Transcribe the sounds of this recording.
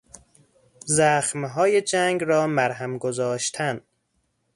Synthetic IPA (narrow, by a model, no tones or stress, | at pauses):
zæxmɦɒːje̞d͡ʒæŋɡɾɒːmæɾɦæmɡozɒːʃt̪ʰæn